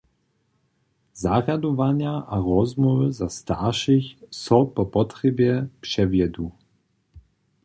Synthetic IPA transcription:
zaɣjad̪ɔvaɲjaʔaɾɔzmɔvəzast̪aʃɪçsɔpɔpɔtɾɛbjɛpʂɛvjɛd̪u

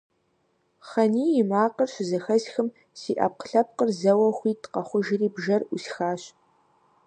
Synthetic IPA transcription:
χɐniːjɪmaːqərɕɪzɐxɐzxɨm | siːʔɐ̰ːp̚qə̥ɬɐp̚qərzɐwɐxʷiːtqɐχʷʊʒɪriːbʒɐrʔʷʊɬxaːɕ

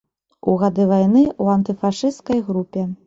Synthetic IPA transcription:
uɣad̪ɨvajnɨuɐnt̪ɨfaʂɨst̪kɐjɣɾupʲɛ

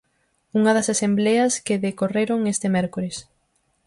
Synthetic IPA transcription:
uŋɐðɐsasembleɐskeðekoreɾoŋest̪emɛɾkoɾes

